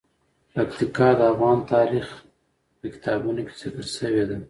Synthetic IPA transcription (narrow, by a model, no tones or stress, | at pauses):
pakt̪ikɑd̪əafɣɑnt̪ɑlix | pəkɪ̥t̪ɑbunokʲe̥zɪkəɾʃəwed̪a